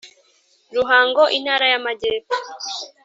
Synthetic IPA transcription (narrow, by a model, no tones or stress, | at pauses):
ɾuɦaːŋɡoʔin̥haːɾajamaɟeːpo